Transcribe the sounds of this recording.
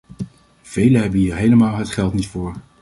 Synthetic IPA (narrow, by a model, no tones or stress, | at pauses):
v̥ejləɦɛbənɦiːɹɦejləmaːlˠɦətχɛlˠtnitfʊːɹ